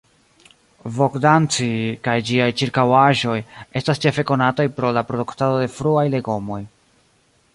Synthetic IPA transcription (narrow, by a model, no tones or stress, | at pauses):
vo̞kdant͡sikajd͡ʒiajt͡ʃiɾkawaʒo̞je̞stast͡ʃe̞fe̞ko̞natajpɾo̞lapɾo̞duktado̞de̞fɾuajle̞ɡo̞mo̞j